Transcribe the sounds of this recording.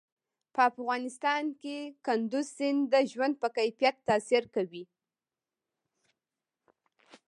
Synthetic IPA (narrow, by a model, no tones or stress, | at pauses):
pəafɣɑnɪst̪ɑnkekand̪uzsɪnd̪əʒwand̪̚pəkajfijat̪ːɑsiɾkawi